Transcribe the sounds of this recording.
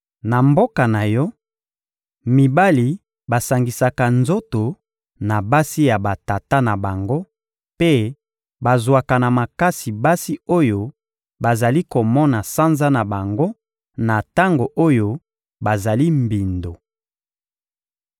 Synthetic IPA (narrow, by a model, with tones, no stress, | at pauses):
na˨mbo˦ka˨na˨jɔ˦ | mi˨ba˦li˨ | ba˨sa˨ŋɡi˨sa˨ka˨nzo˦to˨ | na˨ba˦si˦ja˨ba˨ta˨ta˦na˨ba˨ŋɡo˦ | pe˦ | ba˨zwa˨ka˨na˨ma˨ka˦si˨ba˦si˦o˦jo˨ | ba˨za˨li˦ko˨mɔ˦na˨sa˦nza˦na˨ba˨ŋɡo˦ | na˨ta˦ŋɡo˨ʔo˦jo˦ | ba˨za˨li˦mbi˨ndo˨